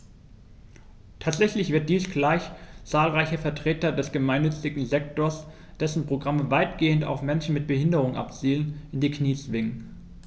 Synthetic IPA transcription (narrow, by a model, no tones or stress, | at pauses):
tʰaːtz̥ɛçlɪçv̥ɪɐt̚d̥iːsɡ̥laɪçt͡saːlʁaɪçəfɛɐtʁ̥eːtɐdɛsɡ̥əmaɪnːʏt͡sɪɡŋ̩zɛk̚toːɐs | d̥ɛsn̩pʁ̥oɡʁaməvaɪtɡ̥eːənta̰ʊfmɛnʃn̩mɪt̚b̥əhɪndəʁ̞ʊŋʔa̰pt͡siːlənɪndiːkniːt͡sv̥ɪŋən